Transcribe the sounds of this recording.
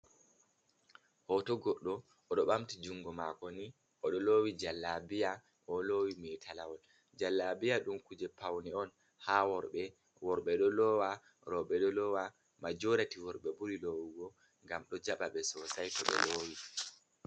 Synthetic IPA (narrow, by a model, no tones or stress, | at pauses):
hɔtɔɡɔɗːɔ | ɔɗɔɓamtid͡ʒuŋɡɔmakɔni | ɔɗɔloːwid͡ʒalːabija | ʔɔlowimɛtʰalawɔl | d͡ʒalːabijaɗumkud͡ʒɛpawniɔn | hawɔɾɓɛ | wɔɾɓɛɗɔlɔwa | ɾɔɓɛɗɔlɔwa | mad͡ʒoɾatiwɔɾɓɛbuɾilowiɡɔ | ŋɡamɗɔd͡ʒaɓaɓɛsɔsajkɔɓɛ̰loːwi